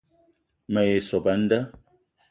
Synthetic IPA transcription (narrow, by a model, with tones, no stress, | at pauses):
mə˨e˨sɔ˨pə˨˦n̩˦də˦